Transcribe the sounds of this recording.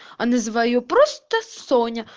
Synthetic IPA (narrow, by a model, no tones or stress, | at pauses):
ɐnɛzʋɐjupɾɔst̪ɐsɔnʲɐ